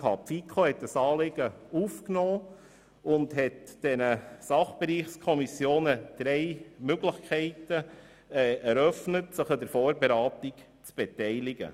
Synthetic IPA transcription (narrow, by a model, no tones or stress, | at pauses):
kʰɑpfikʰχohɛtəsɑːleɡ̥əufknɔː | ʊndɦɛtd̥ɛnəsɑχb̥eɾiːχskʰɔmisjoːnəd̥ɾɛɪmøɡlɪχkʰɛɪtə | ɛɾœfnətsəχədəɾfɔːɾbeɾɑːtik | t͡sb̥etɛɪlɪɡ̥ə̰